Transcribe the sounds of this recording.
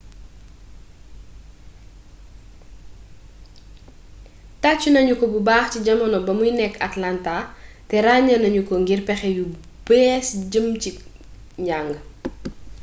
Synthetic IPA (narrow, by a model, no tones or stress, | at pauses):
tat͡ʃːunɐɲukɔbubaːxciɟɐmɐnɔbɐmujnɛkːɐtlanta | tɛɾaɲɐnɐɲukɔŋɡirpɛxɛju | bɛsɟəmci | ɲaŋɡə